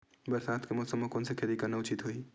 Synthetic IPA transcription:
bəɾsaːt̪ʰkemosəmokoːnsekʰeɾikanɐʊt͡ʃit̪ɦoi

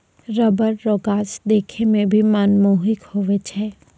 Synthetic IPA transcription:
ɾəbəɾːoːɡaːsd̪eːkʰemẽbʱimaːnmoːɦɪkhoːʋet͡ʃʰɛː

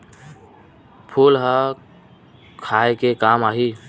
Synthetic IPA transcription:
pʰuːlɦa | kʰaːekekaːmaːɦi

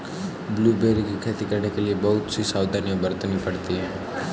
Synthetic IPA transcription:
bluːbeːɾikikʰet̪ikəɾnekeliebɐɦʊt̪sisaːwd̪ʱanjəbəɾt̪nipɐɽt̪iɦɛ̃ː

